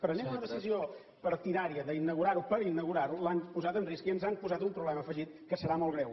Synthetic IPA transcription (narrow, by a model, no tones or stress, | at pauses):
pɾənemunəðəsizio | pəɾt̪iðaɾiəðəinəɣuɾaɾupəɾinəɣuɾaɾulanpuzat̪ənriskiənzanpuzat̪umpɾuβlɛməfəʒit̪̚kəsəɾamolˠɣɾɛw